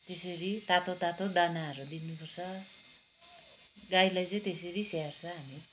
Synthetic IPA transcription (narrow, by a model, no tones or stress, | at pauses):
t̪esʌɾit̪at̪ot̪at̪od̪anaɦʌɾud̪inupʌrt͡sʰʌ | ɡajlajt͡sʌ̃j̃t̪esʌɾiseart͡sʰʌɦami